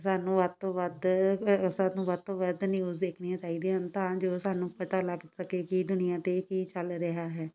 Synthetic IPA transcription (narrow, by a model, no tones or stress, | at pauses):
saːnũːʋəd̪̚t̪õːʋəd̪ | saːnũːʋəd̪̚t̪õːʋəd̪nɪjuːzd̪eːkʰniːãːt͡ʃaːiːd̪eə̃nt̪ãːd͡ʒoːsaːnũːpət̪aːlaːpɪt̪səkeːkɪd̪ʊnɪjãːt̪eːkiːt͡ʃəlɾəɦaːɦɛː